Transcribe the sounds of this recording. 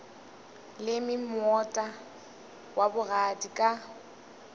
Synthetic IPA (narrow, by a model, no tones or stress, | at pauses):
lɪmɪmɔtʼa | wabʊɣadikʼa